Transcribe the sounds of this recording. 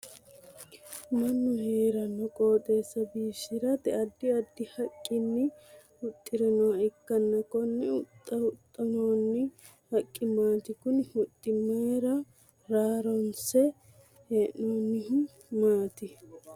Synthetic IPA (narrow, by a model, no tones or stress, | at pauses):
mɐnːɔheːɾɐnɔkʼoːt̪ʼe̞ːsːɐbiːʃɪɾɐt̪ɛɐd̪ːɪɐd̪ːɪhɐkʼːɪnːɪ | ʊt̪ʼːɪɾɛnɔwɐɪkːɐnːɐkɔnːɛʊt̪ʼːɐʊt̪ʼːɐnɔwnːɪ | hɐkʼːɪmaːt̪ɪkʊnhʊt̪ʼːɪmeːɾɐ | ɾaːɾɔnsɛ | heːʔːoːnːɪɦ | maːt̪ɪ